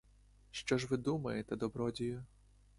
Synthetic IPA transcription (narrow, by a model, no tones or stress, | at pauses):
ʃt͡ʃɔʒʋɪd̪umɐjet̪ɛd̪ɔbɾɔdʲijʊ